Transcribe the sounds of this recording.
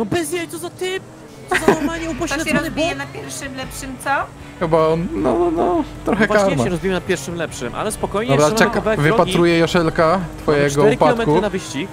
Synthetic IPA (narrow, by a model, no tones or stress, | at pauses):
nɔbɛzjɛt̪ɔzat̪ɪp | t̪zaamaɲɛupɔɕt̪aɛɛɾɔzbʲijɛnapʲjɛɾfʂɨmlɛpʂɨmt̪sɔ | xɛbaɔnnɔnɔnɔt̪ɾɔxɛkaɾmaɛɾɔzbʲijmnapʲjɛɾfʂɨmlɛpʂɨmʔa̰lɛspɔkɔjɲɔbɾat͡ɕakavaɛvɨɔpat̪ɾujɛjɔʂɛlkat̪fɔjjɛɡɔupaitlɔmɛtk̪unavɨɕt͡ɕik